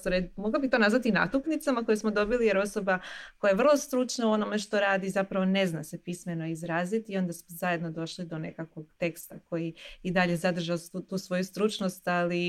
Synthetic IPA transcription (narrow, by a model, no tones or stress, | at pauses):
t̪oɾemoɡlˠabixt̪o̞nazʋat̪ina̰t̪uknit̪samako̞jusmo̞d̪o̞bilije̞ɾo̞so̞bako̞jajeʋr̩lˠo̞st̪ɾut͡ʃnauo̞no̞me̞ʃt̪o̞ɾaːd̪izapɾaʋo̞ne̞znasepisme̞no̞izɾaːzit̪io̞nd̪asmozaje̞d̪no̞d̪o̞ʃlid̪o̞ne̞̰kakʋo̞ɡ̥t̪e̞kst̪akojiid̪aʎe̞zad̪r̩ʒaut̪uːsʋo̞just̪ɾut͡ʃnost̪ali